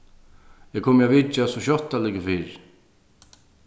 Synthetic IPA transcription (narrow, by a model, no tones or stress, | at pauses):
ɛkʰoːmavɪt͡ʃːasɔɕɔt̪ːalɪkəfiːɹ